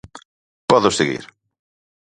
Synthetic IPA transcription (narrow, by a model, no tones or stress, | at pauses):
pɔðʊseɣḭɾ